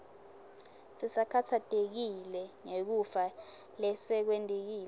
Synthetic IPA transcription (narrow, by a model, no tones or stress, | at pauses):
sʼisakʰatʰatʼek̬ilɛŋek̬ufalɛsɛk̬wɛntʼek̬iːlɛ